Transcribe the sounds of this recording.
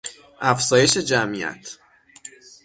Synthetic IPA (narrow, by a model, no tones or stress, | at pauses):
ʔæfzɒːje̞ʃe̞d͡ʒæmiæ̰t̪ʰ